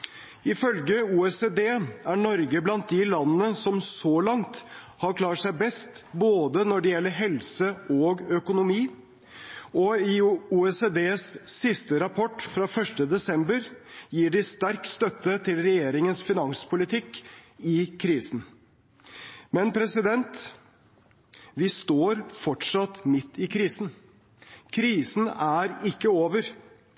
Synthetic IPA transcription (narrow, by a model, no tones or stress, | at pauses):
ɪfœlɡəuːɛsed̪eːæɳɔɾɡəblɑnt̪̚d̪ɪlɑnːənəsɔmsɔlɑŋt̪ | hɑɾkʰlɑːʈʂæɪbɛst̪boːd̪ənɔɖɛjɛlːəɾɦɛlsəɔːɡœkʊnʊmiː | ɔɪuːɛsed̪eːsːɪst̪əɾɑpʰɔʈːfɾɑfœʂʈəd̪ɛsɛmbəɾjiːɖɪst̪æɾkst̪œt̪ːət̪ʰɪlɾɛjeːɾɪŋənsfɪnɑŋspʰʊlɪt̪ʰɪkːɪkʰɾiːsn̩ | mɛnpʰɾɛsɪd̪ɛnt̪ | ʋɪst̪oːɾfɔʈʂɑt̪mɪt̪ːɪkʰɾiːsn̩ | kʰɾiːsn̩æɾɪkːəoːʋəɾ